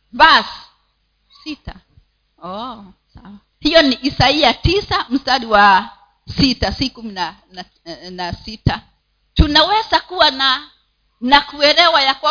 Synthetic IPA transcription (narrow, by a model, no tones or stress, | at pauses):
basi̥ | sita | ɔ | sawa | hijɔniʔisaiatisam̩staɗiwa | sitasikumina | nasita | tunawɛzakuwana | nakuɛɾɛwajakwa